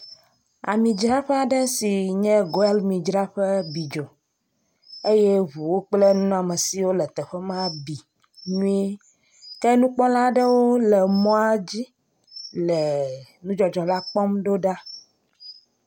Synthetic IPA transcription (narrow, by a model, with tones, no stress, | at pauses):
a̰˨mĩ˨d͡ʒɾa˦ɸɛ˦a˨ɖɛ˦si˨ɲɛ̃˦ɡo˦ɛ˦lmĩ˨d͡ʒɾa˦ɸɛ˦bi˨d͡ʒɔ˨ | e˦jɛ˦βu˨wo˦k͡ple˦nũ˦ñ˦a˨mɛ˨si˨wo˦lɛ˨t̪ɛ˨ɸɛ˦mã˦bi˨ | nũ˦i˦ | kɛ˦nũ˦k͡pɔ̃˦la˦ɖɛ˦wo˦lɛ˨mɔ̃˦a˦d͡ʑi˦ | lɛ˨ | nũ˦d͡ʒɔ˨d͡ʒɔ˨la˦k͡pɔ˦mɖo˦ɖa˦